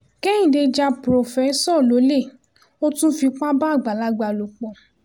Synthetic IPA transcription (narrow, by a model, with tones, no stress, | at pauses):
kɛ˦ĩ˨de˧d͡ʒa˧pɾo˨fɛ˨˦sɔ˦˨lo˨˦le˦˨ | o˦tũ˦fi˧k͡pa˦ba˦˨ɡ͡ba˨la˨˦ɡ͡ba˨˧˨lo˨k͡pɔ˨